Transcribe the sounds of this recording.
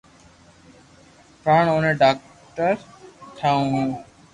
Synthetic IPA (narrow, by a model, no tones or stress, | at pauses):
paːɳoːnẽːɖaːk̚ | ʈəɾt̪ʰaːũːɦũː